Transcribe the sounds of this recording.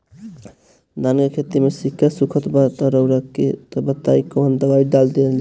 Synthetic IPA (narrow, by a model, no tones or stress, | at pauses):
d̪ankekʰet̪imesikʰːasukʰət̪bat̪ɔɾəwɾəkːet̪əbət̪ːaikəɦənd̪əbaiɖald̪eld͡ʒ